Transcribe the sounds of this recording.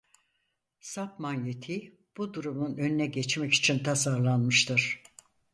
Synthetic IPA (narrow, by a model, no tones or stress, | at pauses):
sapmanjet̪ʰi | b̥ud̪uɾumunø̞nynɛɟɛt͡ʃmɛci̥t͡ʃʰint̪ʰasaɾlˠanmɯʃt̪ʰɯɾ̥